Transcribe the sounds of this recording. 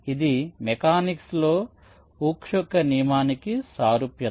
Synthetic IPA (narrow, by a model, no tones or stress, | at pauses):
id̪imekaːniksloː | uːkʂɐkɐnimaːnikisaːɾupjɐ